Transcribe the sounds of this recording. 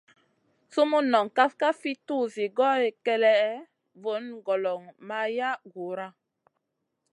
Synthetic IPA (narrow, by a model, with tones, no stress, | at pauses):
su˦mu˦nɔ˨ŋka˦fka˦fi˦tu˦˨zi˨ɡɔ˦e˨kɛ˦lɛ˦ | vo˨˦nɡɔ˨lɔ˨ŋma˦ja˦ɡu˨ɾa˦